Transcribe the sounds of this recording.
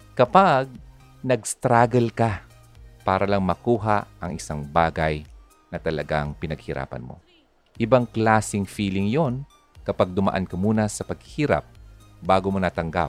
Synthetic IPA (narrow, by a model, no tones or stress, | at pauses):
kɐpaɡ̚ | nɐɡst̪ɾaːɡɐlka | paːɾɐlɐŋmɐkuːɦaʔɐŋʔɪsaŋbaːɡaj | nɐt̪ɐlɐɡaŋpɪnɐɡ̚hɪɾʔa̰ːpɐ̰nmo̰ | ʔɪbaŋklaːsɪŋfiːlɪŋjon | kɐpaɡ̚d̪ʊmɐ̰ʔa̰nkɐmuːnɐsɐpɐɡ̚hiːɾɐ̰p̚ | baːɡomonɐt̪ɐŋɡa̰p̚